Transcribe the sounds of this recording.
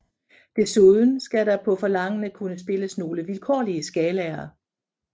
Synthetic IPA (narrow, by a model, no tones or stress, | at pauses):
d̥e̝suðˠən̩sɡ̥æɾɑ̈pʰɒ̽fɒ̽lɑ̈ŋ̰ənəkʰunəsb̥e̝ləsno̝ːləʋilkʰɒ̰ːliəsɡ̥ɛːlɛːɐ